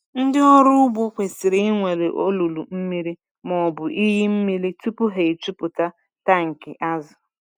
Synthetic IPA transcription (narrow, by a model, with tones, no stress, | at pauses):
n̩˦dɪ˦ɔ˦ɾʊ˦ʊ˦bʊ˦kʷe˨sɪ˨ɾi˦ŋʷe˨le˨ʔo˦lu˨lu˨m̩˦mi˦ɾi˦ | mɔ˨bʊ˨ʔi˦ɦi˦m̩˦mi˦ɾi˦tu˦pʊ˦ɦe˨i˨tu˦pʊ˨ta˦ | ta˦ŋ̩˨kɪ˨ʔa˦zʊ˨